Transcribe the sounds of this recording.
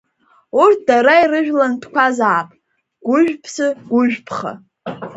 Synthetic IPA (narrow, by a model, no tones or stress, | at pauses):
urt̚ʰdaɾaiɾɨʒᶣlantʰkʷazaːpʼ | ɡ̥ʷʊʒᶣpʰsɨɡ̥ʷʊʒᶣpʰχa̰